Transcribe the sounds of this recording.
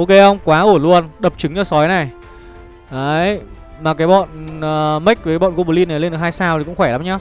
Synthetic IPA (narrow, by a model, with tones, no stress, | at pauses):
ʔo˧ke˧˩xə˧wŋ͡mkwaː˨˦ʔu˧˩lu˧ənɗə˨˩p̚t͡ɕɨ˨˦ŋɲaː˧˩sɔ˨˦jna˨˩j | ʔəː˨˦j | maː˨˩kaː˨˦jɓɔ̰˧˨nəː˨˩mə˦˥k̚və˨˦kːa˨˦ɓɔ̰˧˨ko˧ɓu˨˩li˧nː˨˩jle˧nɗkhaː˧saː˧wt̪ʰi˨˩kʊ̰˧˥ŋ͡mxwɛː˧˩laː˨˦mɲaː˧